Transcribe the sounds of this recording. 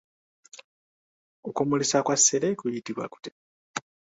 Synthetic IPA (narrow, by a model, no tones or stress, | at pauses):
okumulisakwasːelekujitiβwa̰ku̥te